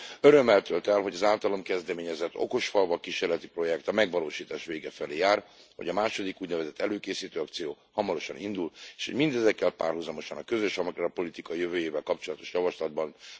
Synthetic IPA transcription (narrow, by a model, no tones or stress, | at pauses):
øɾø̞mːɛlt̪ølt̪ɛlɦo̞ɟɒzaːlt̪ɒlo̞mkɛzd̪ɛmeːɲɛzɛt̪ːo̞̰ko̞ʃfɒlvɒkiʃeːrlɛt̪ipro̞jɛkt̪ɒmɛɡʋɒloːʃiːt̪aːʃʋeːɡɛfɛleːjaːrhoɟɒmaːʃo̞d̪ikuːɟnɛvɛzɛt̪ʰːɛløːkeːsiːt̪øːɒk̚t̪sijoː | hɒmɒɾo̞ʃɒnʔind̪uleːʃhoɟmind̪ɛzɛkːɛlpa̰ːrhuzɒmo̞ʃɒnɒkøzøʃɒmkrɒpo̞lit̪ikɒjøvøːjeːvɛlkɒpt͡ʃo̞lɒt̪o̞̥ʃjɒvɒʃlɒd̪̚bɒn